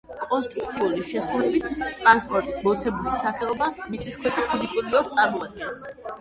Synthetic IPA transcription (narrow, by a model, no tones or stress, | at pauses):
kʼɔnst̪ʼɾukt̪sʰiuliʃɛsɾulɛbit̪ʰt̪ʼɾanspʼɔɾt̪ʼismɔt̪sʰɛbulisaχɛɔbamit̪sʼiskʰwɛʃɛpʰizikʼuɾiliɔkst̪sʼaɾmɔad̪̚ɡɛns